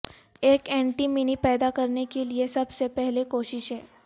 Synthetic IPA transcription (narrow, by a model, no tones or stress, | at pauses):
eːkɛ̃ːɳʈimɪnipɛːd̪akɐɾnekeliesɐbsepɛɦlekoːʃɪʃɦɛː